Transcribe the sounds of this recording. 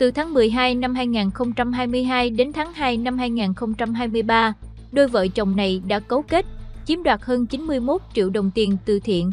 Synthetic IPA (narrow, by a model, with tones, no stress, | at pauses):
t̪ɨ˨˩t̪ʰaː˨˦ŋmɨ˨˩əjɦaː˧jna˧mɦaː˧jŋaː˨˩nxə˧wŋ͡mt͡ɕa˧mɦaː˧jmɨ˧əjɦaː˧jɗe˨˦nt̪ʰaː˨˦ŋɦaː˧jna˧mɦaː˧jŋaː˨˩nxə˧wŋ͡mt͡ɕa˧mɦaː˧jmɨ˧əjɓaː˧ | ɗo˧jvə̰ː˧˨jt͡ɕə˨˩wŋ͡mna˨˩jɗa̰ː˧˥kə˨˦wke˦˥t̚t͡ɕi˨˦əmɗwaː˨˩t̚həː˧nt͡ɕi˨˦nmɨ˧əjmo˦˥t̚t͡ɕḭ˧˨əwɗə˨˩wŋ͡mt̪i˧˩ənt̪ɨ̰˧˩t̪ʰḭ˧˨ən